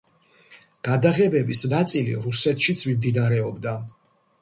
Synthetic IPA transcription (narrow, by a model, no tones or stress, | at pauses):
ɡ̥ad̪aʁɛbɛbisnat̪sʼilḭɾusɛt̪ʰʃit̪sʰmimd̪inaɾɛɔbd̪a